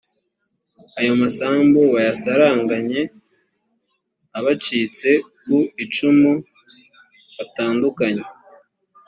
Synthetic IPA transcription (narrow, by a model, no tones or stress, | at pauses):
ajo̞masaːmbowajasaɾaːŋɡaɲe̞ | aβat͡ʃiːt͡se̞ | kuit͡ʃumu | βataːndukaɲe